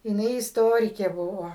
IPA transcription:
jɪˈnɐɪ ɪsˈtoːrʲɪkʲeː ˈbʊʋoː

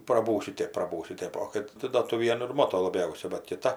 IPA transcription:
prɐˈbuːsʲʊ ˈtʲeːp prɐˈbuːsʲʊ ˈtʲeːp oː ˈkɐt tʲɪ doː tuɔ ˈʋʲiɛnʊ ɪr ˈmoːtoː lˠɐˈbʲɛʊsʲɛ bɐt kʲɪˈtɐ

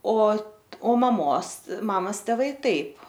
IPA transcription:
oː ˈoː mɐˈmoːs ˈmɑːmɐs tʲɛˈʋɐɪ ˈtɐɪp

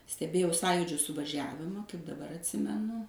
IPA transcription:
sʲtʲɛˈbʲeːjɛʊ ˈsɑːjʊd͡ʒʲʊ sʊʋɐˈʒʲæːʋʲɪmɐ kɐɪp dɐˈbɐr ɐtʲˈsʲɪmʲɛnʊ

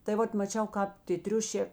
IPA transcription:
tɐɪ ˈʋɐt mɐˈt͡ʃʲɛʊ ˈkɑːp tʲeː ˈtʲrʲʊʃʲeː

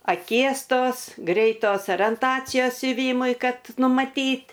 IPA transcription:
ɐˈkʲiɛs ˈtoːs ɡrʲɛɪˈtoːs oːrʲiɛnˈtɑːt͡sʲɪjoːs sʲʊˈʋʲiːmʊɪ ˈkɐt nʊmɐˈtʲiːtʲ

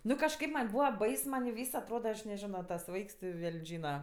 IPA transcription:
ˈnʊ kɐʃˈkɐɪp ˈmɐnʲ ˈbuːʋɐ ˈbɐɪs mɐn ˈʋʲiːs ɐtˈroːdɐ ɐʃ nʲɛˈʒʲɪnoː tɐs ˈʋɐɪks tʲɪ ˈʋʲɛlʲnʲ ˈʒʲiːnɐ

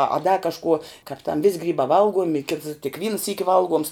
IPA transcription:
ɐ ɐ dɐ kɐʃˈkuɔ kɑːp tɐm ʋʲɪsʲ ˈɡrʲiːbɑː ˈʋɐlˠɡuɔmʲɪ kʲɪts tʲɪk ˈʋʲiːnɐ ˈsʲiːkʲɪ ˈʋɐlˠˌɡuɔms

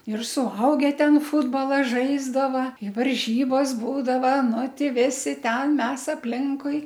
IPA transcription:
ɪr sʊˈɐʊɡʲɛ ˈtʲɛn ˈfʊdboːlˠɐ ˈʒɐɪzdɐʋɐ ɪ ʋɐrʲˈʒʲiːboːs ˈbuːdɐʋɐ ˈnʊ ˈtʲɪ ˈʋʲɪsʲɪ ˈtʲɛn ˈmʲɛs ɐpʲˈlʲɪŋkʊɪ

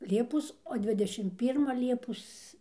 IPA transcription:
ˈlʲiɛpoːs oː ˈdʲʋʲɪdʲɛʃʲɪm ˈpʲiːrmɐ ˈlʲiɛpoːs

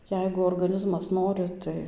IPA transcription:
ˈjɛɪɡʊ oːrɡɐˈnʲɪzmɐs ˈnoːrʲɪ ˈtɐɪ

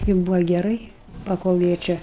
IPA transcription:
ɪ ˈbuːʋɐ ɡʲɛˈrɐɪ pɐˈkoːlˠ ˈjiɛ ˈt͡ʃʲɛ

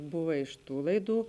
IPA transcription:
ˈbʊʋɐ ɪʃ ˈtuː lˠɐɪˈduː

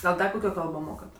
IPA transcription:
ɡɐlˠ ˈdɐ kʊˈkʲoː ˈkɐlˠboː ˈmoːkɐt

